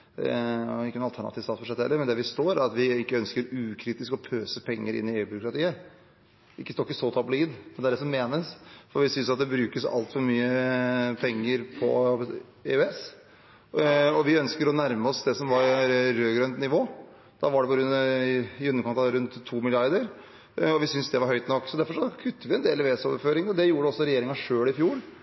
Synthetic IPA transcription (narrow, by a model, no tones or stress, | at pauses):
ɔɪkːənʊɑlt̪ʰæɳɑ̰t̪iːʋsɑːt̪sbʉʂɛt̪əhɛlːəɾmɛnd̪ɛʋɪst̪oːɾæɾɑt̪ʋɪɪkːəœnskəɾʉːkʰɾiːt̪ɪskɔpʰøːsəpʰɛŋːəɾɪ̰nːɪeːʉːbʏɾʊkɾɑt̪ʰiːə | ɪkːəst̪oɾɪkːəsɔt̪ʰɑbəliːd̪mɛnd̪ɛæɖɛsɔmːeːnəsfɔɾʋɪsʏnsɑt̪̚d̪ɛbɾʉːkəsɑ̰lt̪fɔɾmyːəpʰɛŋːəɾpʰɔ̰ | eʉɛs | ɔʋɪœnskəɾɔnæɾməɔsd̪ɛsɔmʋɑɾɾøːɡɾœnt̪nɪʋoː | d̪̥ɑʋɑɖɛpɔɡɾʉn | ʉnːəkʰɔnt̪ɑɾʉnt̪ʰːuːmɪlɪɑɾd̪əɾ | ɔʋɪsʏnsd̪ɛʋɑɾɦœʏt̪nɔkːsɔd̪æɾfɔʂɔkʰʉt̪ʰːəʋɪɛnd̪eːlɛɛsɔʋɾføːɾɪŋd̪ɛjuːɾəɖɛɔsːɔɾɛjeːɾɪŋɑʂøːlɪfjuːɾ